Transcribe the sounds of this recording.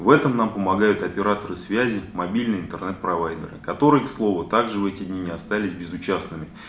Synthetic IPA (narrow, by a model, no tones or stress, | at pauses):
vɛt̪əmnampəmɐɡajʊt̪ɐpʲɪɾat̪əɾɨsvʲæzʲɪmɐbʲilʲnɨjɪnt̪ərnɛt̪̚pɾɐvajd̪ə̰ɾɨ̰kɐt̪o̞ɾɨjslˠo̞vət̪aɡʐɨvɛtʲɪd̪ʲnʲinʲɪɐst̪alʲɪsʲbʲɪzʊt͡ɕasnɨmʲɪ